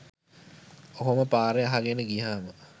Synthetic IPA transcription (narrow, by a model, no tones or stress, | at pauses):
oɦoməpaːɾeaɦaɡenəɡiɦaːmə